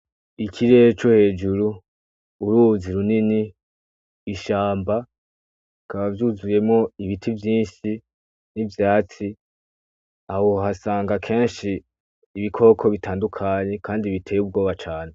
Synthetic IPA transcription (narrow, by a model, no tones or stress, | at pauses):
ikʰiɾet͡ʃohe̞ːd͡ʒuɾuː | ɾuːziɾunini | iʃaːmba | kaβavjuzuje̞mŋo̞iβitʰivjiːʃi | nivjaːt͡si | ahoɦasaːŋɡakʰe̞ːnʃiː | βikʰo̞ːkʰo̞βitʰaːndukʰaɲe̞kʰaːndiβitʰe̞ːjub̚ɡo̞ːβat͡ʃaːne̞